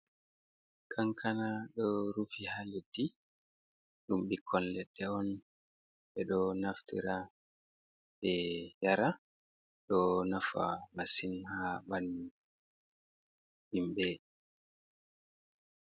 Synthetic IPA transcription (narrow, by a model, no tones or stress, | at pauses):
kʰaŋkʰanaɗɔɾufihajedːi | ɗumɓikʰːɔnlɛɗːɛɔn | ɓɛɗɔnaftḭɾa | ɓɛjaɾa | ɗɔnafa̰masinhaɓanːi | ɓimɓɛ